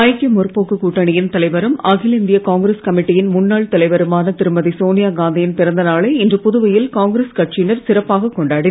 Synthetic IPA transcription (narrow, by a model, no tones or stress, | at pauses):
ɐjkːɐmʊrpoːkːɯkuːʈːɐɳɪjɪnt̪ɐlɐɪʋɐɾɯmɐɣɪlɪnd̪ɪjɐkaːŋɡɾeskɐmɪʈːɪjɪnmʊnːaːɭt̪ɐlɐɪʋɐɾɯmaːnɐt̪ɪɾɯmɐðisoːnɪjaːɡaːnd̪ɐjɪnpɪɾɐnd̪ɐnaːɭeɪndrɯpʊðʊʋɐjɪlkaːŋɡɾeːskɐʈt͡ʃɪnɐɾsɪrɐpːaːɣɐkːɔɳɖaːɽɪnɐ